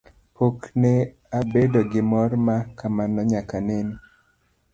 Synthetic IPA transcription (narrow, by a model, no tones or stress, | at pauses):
pokne | abedoɡɪmɔrmakamanɔɲakanɪn